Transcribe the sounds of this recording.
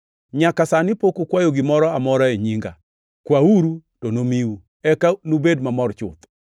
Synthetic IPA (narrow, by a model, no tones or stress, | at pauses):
ɲakasanɪpokokwajoɡɪmɔɾɔamɔɾaeɲiŋɡa̰ | kwauɾutonomiwu | ɛkanubedmamɔrt͡ʃʊ̰t̪